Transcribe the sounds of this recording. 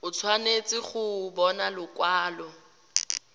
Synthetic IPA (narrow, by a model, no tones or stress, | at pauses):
ʊt͡sʰwanet͡sʼɪχʊbɔnalʊkwaːlɔ